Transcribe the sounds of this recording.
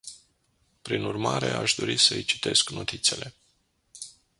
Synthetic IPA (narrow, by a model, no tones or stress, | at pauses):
pɾinurmaɾe̞̰aʃd̪o̞ɾisəɨjt͡ʃi̥t̪e̞skno̞t̪it̪se̞le̞